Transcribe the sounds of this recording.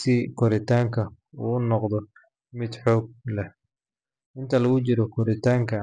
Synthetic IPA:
sɪkʰɔɾɪt̪ʰaːŋkʰɐ | unɔqd̪ɔ | mɪd̪ħɔːɡ̚lɛ | ʔɪnt̪ʰɐlɐɣʊt͡ʃɪɾɔkʰɔɾɪt̪ʰaːŋkʰɐ

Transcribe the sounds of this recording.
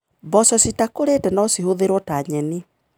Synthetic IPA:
bɔsɔsitakoɾetɛnɔsiɦoðeɾwɔtaɲɛni

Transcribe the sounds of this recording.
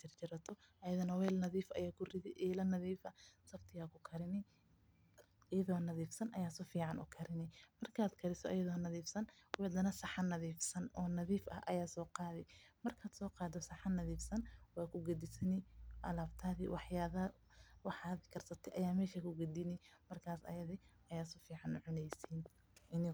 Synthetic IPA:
t͡ʃɪrt͡ʃɪɾɐt̪ʰɔʔɐjɐðɐnɐwɛːlnɐðiːfʔɐ̰jaːkʰʊrɪðɪʔɛːlɐnɐðiːfɐsɐbt̪ʰɪɣaːkʰʊkʰɐɾɪnɛ | jɐðɔːnɐðiːfsɐnʔɐjaːsɔfiːʕɑnʔʊ̰kʰɐɾɪnɪmɐrkʰaːd̪kʰɐɾɪsɔʔɐjɐðɔːnɐðiːfsɐnwɛd̪ɐnɐsɑħɐnɐðiːfsɐnɔːnɐðiːfɐ̰hʔɐ̰jaːsɔːqɑːðɛjmɐrkʰaːd̪sɔːqɑːd̪ɔsɑħɑnɐðiːfsɐnwɑːkʰʊɡɐd̪ɪsɐnɪʔɐlaːbt̪ʰaːðḭwɑħjaːðɐ | wɑħaːðkʰɐrsɐt̪ʰɛʔɐjaːmɛːʃɐkʰʊɡɐd̪ɪnɪmɐrkʰaːsɐ̰jɐðɪ | ɐjaːsʊfiːʕɑnʊ̰ʕʊnɛjsiːn | ʔɪnɪ

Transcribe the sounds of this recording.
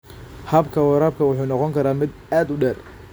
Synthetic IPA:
hɐbkʰɐwɐɾaːb̚kʰɐwʊħuːnɔqɔŋkʰɐɾaːmɪd̪ | aːd̪ʊɖɛːr

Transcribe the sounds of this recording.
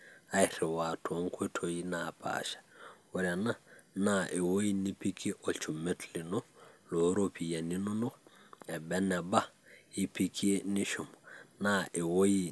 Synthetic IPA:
ajtɛwatʰɔŋkutʰojinapʰa̰ʃḁwɛɾɛnanaʔɛwojinipikiʔɔt͡ʃumːetlinɔloɾopʰijaninɔnɔɛbɛnɛbahipikʰieniʃumnaʔɛwoji

